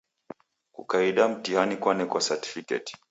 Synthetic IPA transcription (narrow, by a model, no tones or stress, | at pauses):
kṵkaiɗam̩tihanikwanɛkwasati̥fikɛ̰ti̥